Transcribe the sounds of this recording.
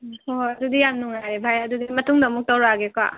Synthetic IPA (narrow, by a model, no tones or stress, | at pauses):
hoɐdudijamnuŋajɾebʱajɐdudimɐtuŋdɐmuk̚tawɾaɡeka̰